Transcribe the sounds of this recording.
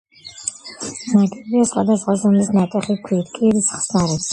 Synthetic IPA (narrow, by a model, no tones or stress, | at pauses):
maɡibiasχwa̰d̪asχwazɔmlisnat̪ʼɛχikʰwiːt̪̚ʰkʼiɾisχsnaɾɛps